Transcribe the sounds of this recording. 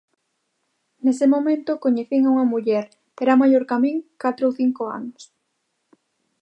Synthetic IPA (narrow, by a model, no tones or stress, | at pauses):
nesemomẽnt̪okoɲeθiŋauŋɐmuʎɛɾ | teɾamaʎoɾkamĩŋkat̪ɾooθiŋkoa̰nʊs